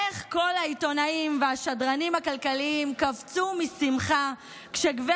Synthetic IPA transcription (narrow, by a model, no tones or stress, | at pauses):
eχko̞lhaito̞naimveaʃadʁanimhakalkaliimkavt͡sumisimχa | kʃeɡve